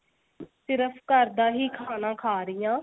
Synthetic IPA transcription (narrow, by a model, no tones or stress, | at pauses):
sɪɾəpʰkəɾd̪aːɦiːkʰaːnãːkʰaːɾɪjãː